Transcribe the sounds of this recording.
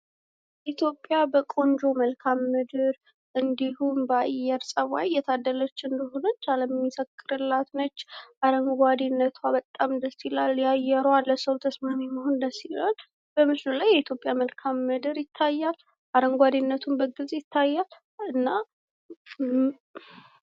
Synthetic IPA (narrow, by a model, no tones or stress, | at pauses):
ʔit̪ʰjo̞pʼːjabəkʼo̞nd͡ʒo̞məlkʰamːɨd̪ɨɾ | ʔɨnd̪ihumbajːɛɾsʼəwa̰jjɛt̪ʰad̪ːələt͡ʃːɨnd̪əho̞nət͡ʃːaləmmːisəkʼːɨɾɨlːat̪nət͡ʃːʔaɾəŋɡʷad̪inːət̪ʰwabət̪ʼːamd̪əsilaljajɛɾəwalːəsəwt̪ʰəsmamjɛmːəɦond̪əsial | b̥əmɨʃɪnulajːɛit̪jo̞pʼjaməlkʰamːɨd̪ɨɾjɪt̪ʰːajːal | ʔaɾəŋɡʷad̪inːət̪ʰunbəɡɨzʼjɪt̪ʰːajːal | ɨnːa